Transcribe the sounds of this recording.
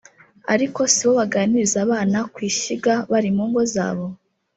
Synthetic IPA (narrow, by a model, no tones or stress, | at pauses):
a̰ɾiko̞siβoβaɡaːniɾizaβaːnakwiːʃiɡaβaɾimuːŋɡo̞za̰ːβo̞